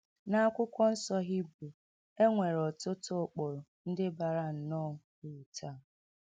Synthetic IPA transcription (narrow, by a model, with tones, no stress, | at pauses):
na˦a˦kʷʊ˦kʷɔ˦n̩˦sɔ˦ɦi˦bu˨ | e˦ŋʷe˨ɾɔ˨tʊ˦tʊ˦˨k͡pɔ˨ɾʊ˨n̩˦dɪ˦ba˨ɾa˦n̩˨nɔ˦˨ | u˨tʰa˦˨